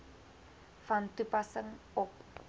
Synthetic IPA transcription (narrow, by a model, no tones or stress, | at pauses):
fɐntupɐsəŋ | ɔp